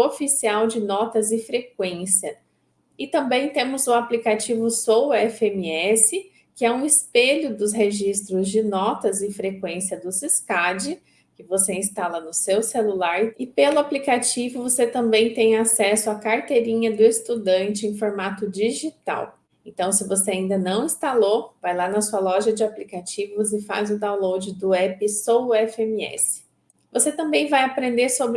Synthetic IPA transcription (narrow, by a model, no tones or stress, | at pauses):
ofisiawd͡ʒɪnɔt̪ɐzɪfɾekwẽsiɐ | ɪt̪ɐ̃mbẽj̃t̪ẽmʊzʊaplikat͡ʃivʊsowɛfemiɛsɪ | kɪɛũɪspeʎʊd̪ʊzɦeʒist̪ɾʊzd͡ʒɪnɔt̪ɐzɪfɾekwẽsiɐd̪ʊsiskad͡ʒɪ | kɪvoseĩst̪alɐnʊsewselulaɾɪpelʊaplikat͡ʃivʊvoset̪ɐ̃mbẽj̃t̪ẽj̃asɛsʊakaɾt̪eɾĩɲɐd̪ʊɪst̪ud̪ɐ̃nt͡ʃɪẽj̃foɾmat̪ʊd͡ʒiʒit̪a̰w | ẽnt̪ɐ̃w̃sɪvoseaĩnd̪ɐnɐ̃w̃ĩst̪alovajlanɐsuɐlɔʒɐd͡ʒɪaplikat͡ʃivʊzɪfa̰zʊd̪aw̃lowd͡ʒɪd̪ʊɛpɪsowɛfemiɛ̰sɪ̥ | voset̪ɐ̃mbẽj̃vajapɾẽnd̪eɾsobɾ